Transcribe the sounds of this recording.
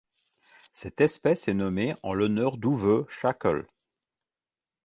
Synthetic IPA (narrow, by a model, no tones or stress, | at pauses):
sɛt̪ɛspɛsɛnɔmeɑ̰̃lɔnœʁd̪uvøʃakɔ̰l